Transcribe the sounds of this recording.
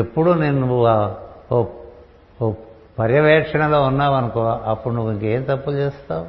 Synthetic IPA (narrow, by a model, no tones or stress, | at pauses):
epːuɽunenːu | pɐɾjɐʋɛːkʂɐɳɐloːunːaːʋɐnɐkuɐpːuɽunuʋiŋke̞ːmt̪ɐpːut͡ʃeːst̪aːu